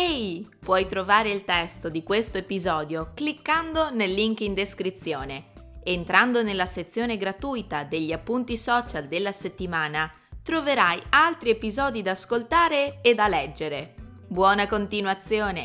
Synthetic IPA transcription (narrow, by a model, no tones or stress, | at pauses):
ɛj | pwɔjt̪ɾovaːɾeilt̪ɛst̪od̪ikwest̪oepizɔːd̪joklikːand̪onelːiŋkind̪eskɾit̪sːjoːneent̪ɾand̪onelːaset̪sːjoːneɡɾat̪ujt̪ad̪eʎːiapːunt̪isɔːt͡ʃald̪elːaset̪ːimaːna | t̪ɾoveɾajalt̪ɾiepizɔːd̪id̪aːskolt̪aːɾeːd̪alɛd͡ʒːeɾe | bwɔːnakont̪inwat̪sːjoːne